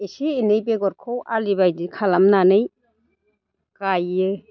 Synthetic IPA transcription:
esiːnɯjpeɡɔɾkʰɔwʔalibajdikʰalamnanɯj | kajːɯ

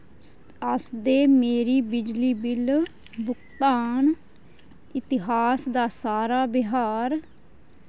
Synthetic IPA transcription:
əsd̪eːmeːɾiːbɪd͡ʒliːbɪl | bʊkt̪aːn | ɪt̪ɪɦaːsd̪aːsaːɾaːbɪɦaːɾ

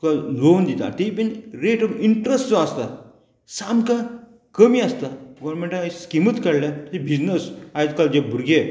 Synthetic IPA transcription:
kalond̪it̪a̰t̪eipenɾeʈɔʋiɳʈɾesʈt͡sɔast̪a | samkã | kəmiːast̪aɡɔʋɾmẽɳʈaiskimət̪kəɽlat̪ibʱid͡znəsajt̪kald͡ʑebʱuɾɡe

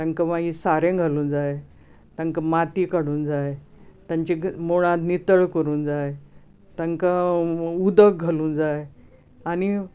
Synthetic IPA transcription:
t̪aŋkəʋaɡisaɾẽɡʱaluːnd͡zaje | t̪ãŋkəmat̪ikaɽ̤uːnd͡zaj | t̪jãɲt͡ɕimoɭ̃ãt̪nit̪əɭkəɾuːnd͡zaje | t̪aŋkaud̪ək̚ɡʱəluːnd͡zaje | ani

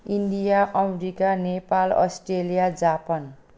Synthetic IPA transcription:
iɳɖijaʔʌmeɾikanepalʌ̰sʈrelijad͡zapan

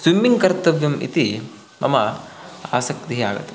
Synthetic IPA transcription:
swimːiŋkɐɾt̪ɐʋjɐmḭt̪i | mʔɐ̰mɐa̰ːsɐk̚t̪iɦa̰ːɡɐ̰t̪ːe

